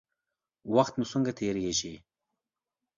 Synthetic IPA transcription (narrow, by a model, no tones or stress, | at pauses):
waxt̪musuŋɡat̪ʰeːɾjeʃi